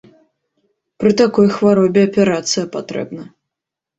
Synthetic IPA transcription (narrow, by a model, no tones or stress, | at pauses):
pɾɨt̪akɔjxvaɾɔbʲɛɐpʲɛɾat̪sɨjɐpat̪ɾɛ̰bnɐ